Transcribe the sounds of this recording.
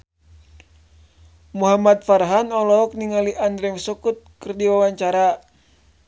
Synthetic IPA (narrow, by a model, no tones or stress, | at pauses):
muɦamat̪̚farɦanɔlɔɔk̚niŋaliʔandɾɛŋsɔkut̪̚kərdiwawaɲt͡ʃaɾa